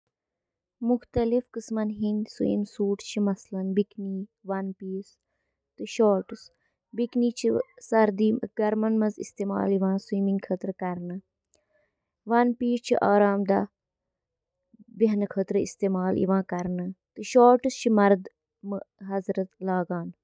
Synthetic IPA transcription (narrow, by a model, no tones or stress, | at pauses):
muxt̪ɐlifkɨsmɐnɦinʲsṵḭmsuːʈt͡ʃʰimɐslɐnbikniːʋɐnpiːs | t̪ɨʃaːɾʈɨs | bikniːt͡ʃʰisɐɾd̪iːmɡɐɾmɐnmɐzḭst̪eːma̰ːliʋãːsiːmĩŋɡkʰət̪ɾɨkɐɾnɨ | ʋɐnpiːst͡ʃʰiʔaːɾaːmd̪ɐ | biɦnkʰət̪ɾɨḭst̪eːmaːlḭʋãːkɐɾnɨt̪ɨʃaːɾʈɨst͡ʃʰimɐɾd̪ | mɨɦɐzɾɐt̪laːɡaːn